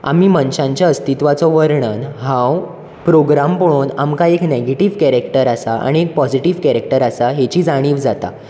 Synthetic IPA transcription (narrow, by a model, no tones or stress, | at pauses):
a̰miːmənɕãɲt͡ɕjaəst̪it̪ʋat͡sɔʋəɾɳənɦãw | pɾoɡɾampoɽ̃oːnamkaekneɡeʈiːʋkɛɾekʈəɾasaa̰ɽ̃iek̚pɔd͡ziʈiʋkɛɾek̚ʈəɾasaɦet͡ɕiːd͡zaɽ̃iːʋd͡zat̪a̰